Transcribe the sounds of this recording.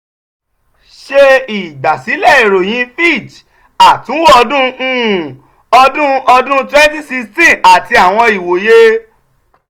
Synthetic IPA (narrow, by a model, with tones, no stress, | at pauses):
ʃe˧i˨ɡ͡ba˨si˨˦lɛ˦˨e˨ɾo˨j̃ĩ˧˦fi˦˨t͡ʃ | a˨tũ˨˦wɔ˧dũ˦ũ˦˨ | ɔ˧dũ˦ɔ˧dũ˦tɾɛ˦n˦ti˦si˧stĩ˦˨a˨ti˧a˨w̃ɔ̃˧i˨wo˨je˦